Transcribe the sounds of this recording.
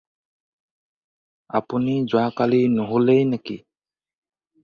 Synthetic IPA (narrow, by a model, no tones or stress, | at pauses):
a̰punid͡ʒwaːkalinoɦulejneki